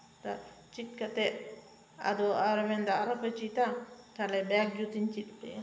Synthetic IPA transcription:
t̪a | t͡ʃit̪̚kat̪eʔ | a̰d̪oaɾamend̪aɾapet͡ʃit̪atalebakjut͡sint͡ʃit̪qeja

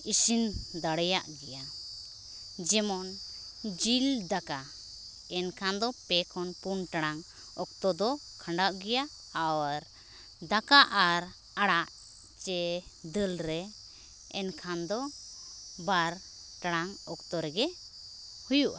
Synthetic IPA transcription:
isind̪aɽɛjaʔɡɛja | d͡ʒɛmɔn | d͡ʒild̪aka | ɛnkʰand̪ɔpɛkʰɔnpunʈaɽ̃aŋ | ɔk̚t̪ɔd̪ɔkʰaɳɖaʔɡɛjaː | wɾ | d̪akaʔaɾ | aɽaʔ | t͡ʃɛd̪əlɾɛ | ɛnkʰand̪ɔ | baɾ | ʈaɽ̃aŋɔkt̪ɔɾɛɡɛ | hujuʔa

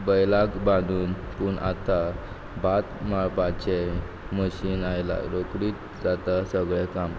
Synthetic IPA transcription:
bəjlaɡbãd̪uːn | puːɳʔa̰t̪a | bat̪maɭpat͡ɕe | məɕiːnajla̰ɾokɽiːt̪̚ | d͡zat̪asəɡɭɛkam

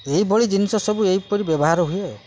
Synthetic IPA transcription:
eibɔɭid͡ʒinisɔsɔbuejpɔɾibebɔɦaɾɔɦuje

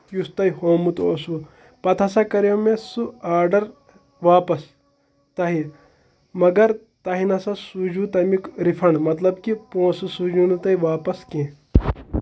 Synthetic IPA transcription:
just̪ɐihoːmut̪oːsu | pɐt̪ʰɐsakɐɾemẽsuaːɾɖɐɾ | ʋaːpɐs | t̪ɐɦi | mɐɡɐɾ | t̪ɐɦinɐsɐsud͡ʒut̪ɐmikɾifʰɐɳɖmɐt̪lɐbkipõːsusud͡ʒunut̪ɐiʋaːpɐskẽː

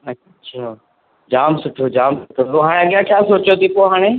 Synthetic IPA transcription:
ɐːɕʰaː | d͡ʑaːmsʊʈʰoːd͡ʒaːmsʊʈʰot̪oɦaːɽ̃eɐɠijãkʰjaːsoːt͡ɕot̪ipoɦaːɽ̃e

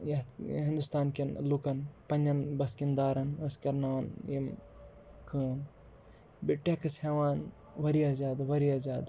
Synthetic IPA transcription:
jɐɦĩnd̪ust̪aːnkʲinlukɐnpɐnd͡ʒɐnbɐskind̪aːɾɐnɐskɐɾnɐʋɐnjim | kʰɨːn | biʈːekɨsheʋaːn | ʋɐɾijɐzjaːd̪ɐʋɐɾijɐzjaːd̪ɐ

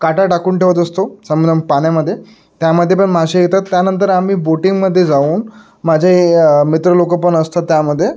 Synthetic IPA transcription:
kaʈaʈakuːnʈʰeʋət̪əst̪osəmənʱənpaɳjaməd̪ʱːje | t̪jaməd̪ʱːjepəɳm̤aɕejet̪at̪ːjanənt̪əɾam̤iːboʈiŋɡməd̪ʱːjed͡zauːn | mad͡ʑʱemit̪ɾəlokəp̬əɳəst̪at̪ːjaməd̪ʱːje

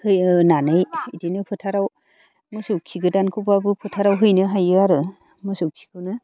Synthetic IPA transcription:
hɯjnanɯjidinɯpʰɯtʰaɾaw | mɯsukʰːiɡɯdankʰɯbabɯpʰɯtʰaɾawɦɯjnɯɦajɯaɾɯ | mɯsukʰi̥ɡɯwnɯ

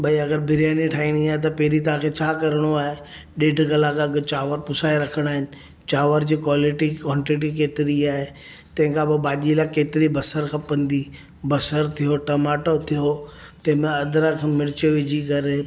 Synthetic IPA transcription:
ɓɐiɐɡəɾbʱɪɾijaːniʈʰaːiɽ̃iaːɦet̪̬ɐpeːɾit̪̬ɐãkʰet͡ɕʰaːkɐɾəɽ̃oaːɦe | ɗeːɖʱɡɐlãkɐɡt͡ɕaːʋəɾpʊsaːeɾɐkʰəɽ̃aːɦɪnɪ̆ | t͡ɕaːʋəɾd͡ʑiːkwaːlɪʈikɔ̃ːɳʈiʈ̬ik̬eːt̪ɪɾiaːɦe | t̪ɐ̃ɦɪ̃kʰãbɪbaːʄilakeːt̪ɪɾibɐsəɾkʰãːpɐ̃nd̪i | bɐsəɾt̪ʰijoʈɐmaːʈot̪ʰijot̪ɐ̃ɦɪ̃mẽɐd̪ɾakʰãmɪɽɪt͡ɕoʋɪd͡ʑʱikɐɾ

